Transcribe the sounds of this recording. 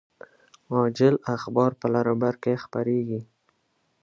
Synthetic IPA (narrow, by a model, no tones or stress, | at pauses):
ɑd͡ʒɪlaxbɑɾpəlaɾɑbaɾkexpaɾeɡi